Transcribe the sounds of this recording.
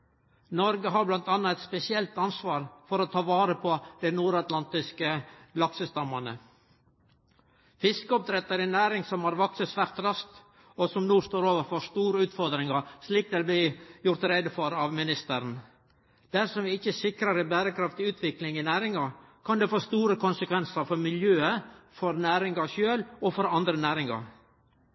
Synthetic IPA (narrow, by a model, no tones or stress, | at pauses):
nɔɾɡəɦɑɾblɑnt̪ɑnːɑɛt̪spɛsɪɛlt̪ɑnsʋɑːɾfɔɾɔt̪ʰɑːʋɑːɾəpʰɔd̪̥ɛnuːɾɑt̪lɑnt̪ɪskəlɑksəst̪ɑmːɑnə̰ | fɪskəɔp̚d̪ɾɛt̪ːəɾɪnæːɾɪŋsɔmhɑɾʋɑksəsʋæːɾt̪ɾɑsk̚t̪ | ɔsɔmnuːst̪oːɾoːʋəɾfɔʂt̪uːɾəʉːt̪fɔɾd̪ɾɪŋɑsliːkd̪ɛlb̪lɪjʊɾt̪ɾɛd̪əfɔɾɑʋmɪnɪst̪əɾn | d̪̥æɾsɔmʋɪɪçːəsɪkɾɑɾəbæːɾəkʰɾɑft̪ɪʉːt̪ʰʋɪklɪŋɪnæːɾɪŋɑ | kʰɑnd̪ɛfoːst̪uːɾəkʰʊnsəkʰʋɛnsɑɾfɔɾmɪljøːəfɔɾnæːɾɪŋɑʃøːlɔfɔɾɑnd̪ɾənæːɾɪŋɑ̰ɾ